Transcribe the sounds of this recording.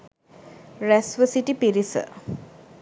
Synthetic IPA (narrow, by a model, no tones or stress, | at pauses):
ɾæsʋəsiʈipiɾisə̰